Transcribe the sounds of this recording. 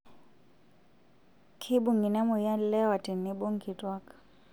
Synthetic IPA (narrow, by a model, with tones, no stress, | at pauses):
kʰi˦bʊ˦˨ŋɡi˨na˦mɔ˨ja˦llɛ˦wa˨tʼi˨ni˦bɔ˦ŋ˨ki˨tʼwa˦kʼḁ˨